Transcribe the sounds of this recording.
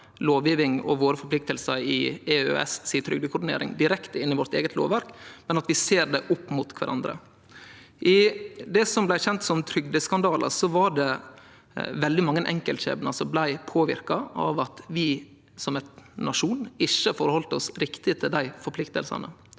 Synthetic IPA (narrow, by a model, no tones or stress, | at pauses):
loːʋjiːʋɪŋɔ̰ʋoːɾəfɔɾpʰlɪk̚t̪əlsəɾɪɛø̰ɛ̰ssiːt̪ʰɾʏɡ̚d̪əkʰʊɖɪnḛːɾɪ̰ŋd̪ɪɾɛkt̪əɪnːɪʋɔɾt̪ḛːɡət̪ʰlo̰ːʋæɾkmɛnɑt̪ʋɪseːɾɖɛʔʊpːmʊt̪kʰʋæ̰ɾʔɑ̰nd̪ɾə̰ | ʔɪd̪ɛsɔmblæɪçɛnt̪sɔmt̪ʰɾʏɡd̪əskɑnd̪ɑːlʔə̰ɾsɔʋɑɾɖɛ | ʋɛld̪ɪmɑŋːənʔɛ̰ŋkəlt̪çḛːbənɑlsɔblæɪpʰoːʋɪ̰ɾkɑʔɑ̰ʋɑt̪ʋɪ | sɔmɛt̪nːɑʂuːnɪʃəfɔɾəhɔlt̪əɔsɾɪkt̪ɪt̪ʰɪld̪æɪfɔɾpʰlɪkt̪ə̰lsə̰nə̰